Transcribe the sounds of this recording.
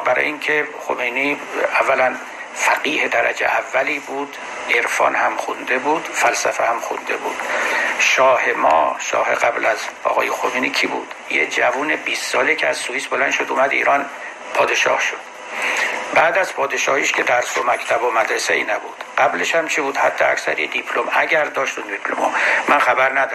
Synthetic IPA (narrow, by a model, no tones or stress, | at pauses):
bæɾɒ̰ːjiŋcʰexo̰mejniːævːælæn | fæɡiːhed̪æɾæ̰d͡ʒḛʔævːæliːbuːd̪̥ | eɾfɒ̰ːnhæmxund̪ebuːd̪fælsæfehæmxṵnd̪e̞bṵːd̪̥ʃɒːhe̞mɒ̰ːʃɒ̰ːɦe̞̰ʁæblæzɒ̰ːɣɒːjexomeːnicʰibṵːd̪̥jed͡ʒævuːnebiːsːɒːlekcʰeæz̥suviːsbolænd̪ʃo̞d̪uːmæd̪ḭːɾɒn | pʰɒːd̪e̞ʃɒ̰ːhʃod̪̥ | bæːd̪æzpʰɒːd̪eʃɒːhiːʃcʰed̪æɾsomækʰt̪ʰæbomæd̪ɾeseḭːnæbuːd̪̥ɢ̥æbleʃhæmt͡ʃʰibuːd̪hæd̪ːeæ̰csæ̰ɾjed̪ipʰlomæɟæɾd̪ɒːʃt̪und̪ipʰlo̰mo̰mænxæbæɾnæd̪ɒ